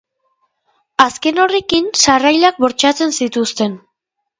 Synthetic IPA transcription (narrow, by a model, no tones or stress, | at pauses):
aske̞no̞rekinsarajlak̚βo̞ɾt͡ʃat͡se̞nsit̪ust̪e̞n